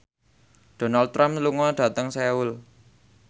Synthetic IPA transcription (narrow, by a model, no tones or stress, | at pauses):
ɖ̥o̤nald̪̚ɾamluŋɔɖ̥ä̤t̪əŋseʊl